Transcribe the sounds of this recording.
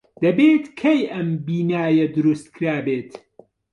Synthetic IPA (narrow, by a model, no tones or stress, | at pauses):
d̪̥ɐbeːt̪kʰɐjʔɐmbiːnaːjɐd̪ʊɾust̪kʰɾaːbeːt̪